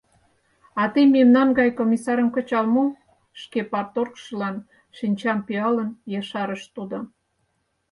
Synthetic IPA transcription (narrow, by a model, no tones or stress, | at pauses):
ɑt̪ejmemnɑnɡɑjkomʲisɑɾəmkə̆t͡ɕɑlmu | ʃkepɑrt̪orkʃəlɑn | ʃinʲt͡ɕɑmpiɑlənjɑʃɑɾəʃt̪ud̪ŏ